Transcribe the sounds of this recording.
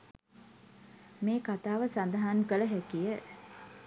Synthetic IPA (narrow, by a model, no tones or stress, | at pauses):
meːkat̪aːʋəsand̪əɦankələɦækijə